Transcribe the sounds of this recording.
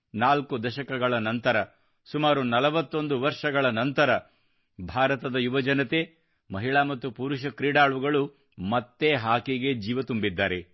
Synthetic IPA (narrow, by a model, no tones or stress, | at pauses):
naːlkud̪ɐʃɐkɐɡɐɭɐnɐnt̪ɐɾɐ | sumaːɾunɐlɐʋɐt̪ːo̞nd̪uʋɐɾʂɐɡɐɭɐnɐnt̪ɐɾɐ | bʱaːɾɐt̪ɐd̪ɐjuʋɐd͡ʒɐnɐt̪e | mɐɦiɭaːmɐt̪ːupuɾuʃɐkɾiːɽaːɭuɡɐɭu | mɐt̪ːeɦaːkiɡe̞d͡ʒiːʋɐt̪umbid̪ːaːɾe